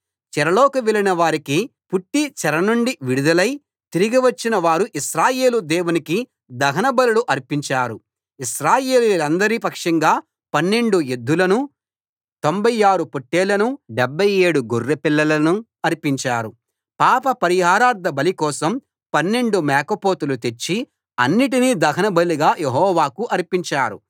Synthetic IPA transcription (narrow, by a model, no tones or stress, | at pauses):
t͡ʃɛɾɐloːkuʋɛlinɐʋaːɾikipuʈːit͡ʃɛɾɐnuɳɖiʋiɽud̪ɐlɐj | t̪iɾiɡiʋɐt͡ʃːinɐʋaːɾuʔiʃɾaːjeːlud̪ɛːwuniki | d̪ɐɦɐnɐbɐlɐluʔɐɾpiɲt͡ʃaːɾu | iʃɾaːjeːlilɐnd̪ɐɾipɐkʂɐŋɡaː | pɐnːe̞ɳɖued̪ːulɐnu | t̪o̞mbɐjaːɾupoʈːeːlɐnuɖɛbʱːɐje̞ːɽuɡorːepilːɐlɐnu | ɐɾipiɲt͡ʃaːɾu | paːpɐpɐɾiɦaːɾaːɾd̪ʱɐbɐlikɔːsɐm | pɐnːe̞ɳɖumɛːkɐpoːt̪ulut̪e̞t͡ʃːi | ɐnːiʈiniːd̪ɐɦɐnɐbɐliɡaːjeɦɔːʋaːkuʔɐɾpiɲt͡ʃaːɾṵ